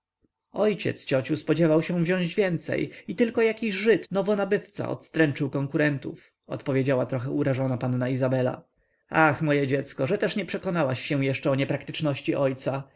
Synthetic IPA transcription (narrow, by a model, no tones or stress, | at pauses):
ɔjt͡ɕɛ̰t̪st͡ɕɔt͡ɕuspɔd͡ʑɛvawɕɛ̃w̃vʑɔ̃ʑd͡ʑvʲjɛnt̪sɛ̰jit̪ɘlkɔjakʲiʑʐɘt̪nɔvɔnabɘft̪sa̰ɔ̰t̪st̪ɾɛnt͡ʂɘwkɔŋkuɾɛnt̪ṵf | ɔ̰t̪pɔvʲjed͡ʑawat̪ɾɔxɛuɾaʐɔnapanːaizabɛla̰ | axmɔjɛd͡ʑɛt̪skɔʐɛt̪ɛʂɲɛpʂɛkɔnawaɕːɛw̃jɛʂt͡ʂɛɔɲɛpɾakt̪ɘ̥t͡ʂnɔɕt͡ɕiʔɔjt̪sa